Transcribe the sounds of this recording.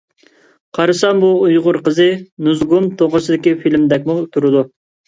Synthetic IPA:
qʰɑɾɨsɑnbuujʁʊɾqəzɨnuzɡumt̪ʰoʁʊsɪd̪ɪkʲifilmd̪ɛk̬̚ʲmut̪ʰuɾɨd̪u

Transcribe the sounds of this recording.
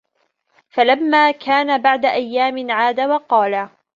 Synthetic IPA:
falamːaːkʰaːnabaʕd̪aʔajːaːmɪnʕaːd̪awɑqɑːla

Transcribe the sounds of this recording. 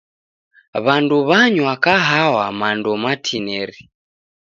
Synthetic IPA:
βanduβaɲwakaɦawamandɔmatʰinɛɾi

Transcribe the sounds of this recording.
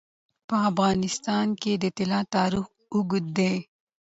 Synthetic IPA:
pəafɣɑːnɪst̪ɑːnked̪ət̪ɪlɑt̪ɑːɾɪx | uɡʊd̪̚d̪ej

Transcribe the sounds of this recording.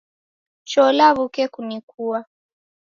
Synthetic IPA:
t͡ʃɔlaβukɛkunikua

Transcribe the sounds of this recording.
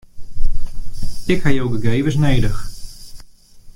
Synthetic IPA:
ɪkhajowɡəɡejvəs̬nejdəx

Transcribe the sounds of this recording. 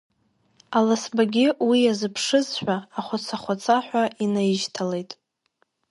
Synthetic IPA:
alasbaɡʲɪwiazɨpʰʂɨzħʷᶣaːχʷat͡sʰaχʷat͡sʰaħʷᶣainajɪʃtʰale̞jtʼ

